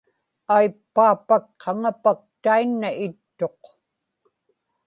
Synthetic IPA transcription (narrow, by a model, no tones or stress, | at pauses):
ajpːaːpakqɑŋapak̚t̪ainːaɪt̪ːo̞q